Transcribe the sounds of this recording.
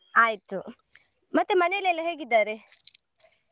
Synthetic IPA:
aːjit̪u | mɐt̪ːumɐnejɐlejɐlːɐɦe̞ːɡid̪ːaːɾe

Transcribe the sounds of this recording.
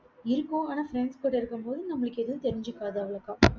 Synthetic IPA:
ɪɾɯkːõːaːnɐfɾɛɳskoːʈːɪɾɯkːɯmpoːðɯnɐmːɐɭɯkːɛðɯt̪ɛɾɪɲd͡ʒɯkːaːðaːʋɐɭɐkːãː

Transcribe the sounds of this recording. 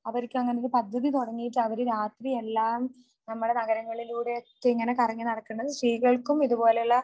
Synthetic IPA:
ɐʋɐɾikʲːumɐŋːɐnejoɾupɐd̪ʱːɐðit̪oɽɐŋːijiʈːɐʋɐɾeɾaːt̪rie̞lːaːm | nɐmːuɽe̞nɐɣɐɾɐŋːɐɭiluːɽetːŋːɐne̞kɐrɐŋːinɐɽɐkːɐɳːɐðɨsriːɣɐɭkumiðupo̞ːleɭːɐ

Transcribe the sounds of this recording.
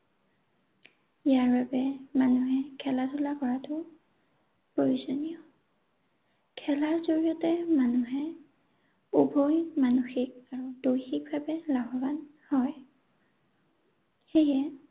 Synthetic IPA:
ijaɹbabɛmanuɦɛkʰɛlatʰʊlakɔɹatʊ | pɹojuzonijɔ | kʰɛlaɹzoɹiɔtɛmanuɦɛ | ubʱojmanuxik̚aɹudojxik̚babɛlaɦɔban | hɔj | xejɛ

